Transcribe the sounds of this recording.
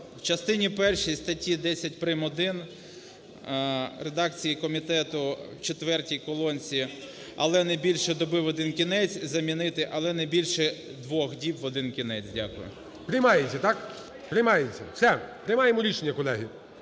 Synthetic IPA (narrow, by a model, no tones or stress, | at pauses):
wt͡ʃɐst̪ɪnʲipɛrʃijst̪ɐtʲid̪ɛsʲɐtʲpɾɪmɔd̪ɪn | re̞d̪ɑkt͡sʲijikɔmʲit̪ɛt̪ʊt͡ʃet̪ʋɛrtʲijkɔlˠɔnʲt͡sʲi | ɐ̰lˠɛnɛjbʲilʲʃɛd̪ɔbɪwɔd̪ɪnkʲinɛt͡sʲzɐmʲinɪt̪ɪʔɐlˠɛnɛbʲilʲʃɛd̪ʋɔxdʲipʋɔd̪ɪnkʲinɛt͡sʲdʲakʊjʊ̰ | pɾɪjmɑjet͡sʲːɐt̪ɑk | pɾʲɪjmɑjet͡sʲːɐ̰w̥sɛpɾɪjmɑjemɔɾʲiʃenʲːɐkɔlˠɛɦɪ